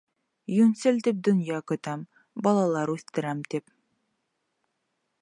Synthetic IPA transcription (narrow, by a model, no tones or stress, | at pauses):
jɵnsɘlt̪ip̚d̪ɵ̆njɑkɵ̆t̪æm | bɑlˠɑlˠɑɾʉθt̪ɘ̆ɾæmt̪ip